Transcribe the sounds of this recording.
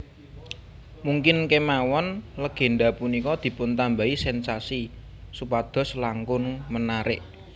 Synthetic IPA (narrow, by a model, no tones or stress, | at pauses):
muŋkɪnkemawɔnləɡ̥e̤nɖapunikɔd̪̥i̤pʊnt̪ambaisɛnsasi | supad̪̥ɔ̤slaŋkʊŋmənaɾɪʔ